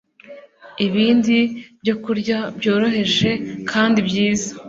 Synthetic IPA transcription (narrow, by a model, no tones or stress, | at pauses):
iβiːndibɟo̞kuɾɟabjo̞ːɾo̞ɦe̞ʒe̞kʰaːndibjiːzḁ